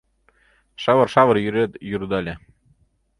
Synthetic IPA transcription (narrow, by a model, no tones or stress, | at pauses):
ʃɑβɤ̆rʃɑβɤ̆ɾjyɾet̪juɾd̪ɑlʲe